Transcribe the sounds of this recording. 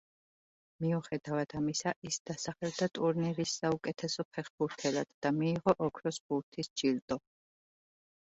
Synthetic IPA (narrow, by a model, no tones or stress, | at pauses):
miuχɛd̪avad̪̥amisaʔisd̪̥asaχɛld̪at̪ʼuɾniɾisːaukʼɛt̪ʰɛsɔpʰɛχbuɾt̪ʰɛlad̪̥ːamiːʁɔʔɔkʰɾɔsbuɾt̪ʰisd͡ʒilt̪ʼɔ